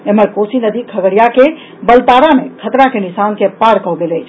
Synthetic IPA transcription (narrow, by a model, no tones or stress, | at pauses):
eməɾkosinəd̪ikʰəɡəɽijake | bəlt̪aɾamẽkʰət̪ɾakenisankepaɾkəɦwɡeleːt͡ʃʰ